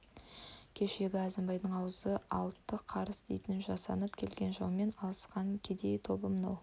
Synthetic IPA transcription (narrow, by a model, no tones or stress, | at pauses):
kʲʰe̞ʃe̞ɡʲɪɑzəmbɑjd̪əɴɑwəzəʔɑ̰lˠt̪ːəqʰɑɾəsd̪ejt̪ɪnʒɑsɑ̰nəpkʲʰe̞lɡʲe̞nʒɑ̰wme̞nɑlˠəsqɑŋkʲʰed̪e̞jt̪ʰo̞bəmənɑ̰w